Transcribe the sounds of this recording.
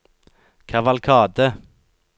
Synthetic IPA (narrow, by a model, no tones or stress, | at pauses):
kʰɑʋɑlkʰɑːd̪ə